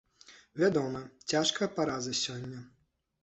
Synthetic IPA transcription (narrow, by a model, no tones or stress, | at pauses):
vʲad̪ɔmɐt͡sʲaʂkɐpaɾazɐsʲɔnʲːɐ